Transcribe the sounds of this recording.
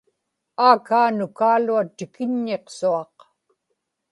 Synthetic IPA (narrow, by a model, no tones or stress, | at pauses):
aːkaːnʊkaːluat̪ɪkɪɲːe̞qsuɑq